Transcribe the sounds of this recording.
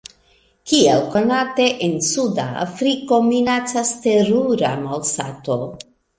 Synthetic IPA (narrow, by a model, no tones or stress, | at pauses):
kielko̞nate̞ʔensuda̰ːfɾiko̞minat͡saste̞ɾuɾa̰malsa̰to̞